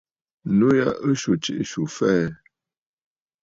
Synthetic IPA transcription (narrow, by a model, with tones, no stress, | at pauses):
nu˦ja˦ə˦ʃu˨t͡ʃi˦ʔʃu˨fɛ˦˨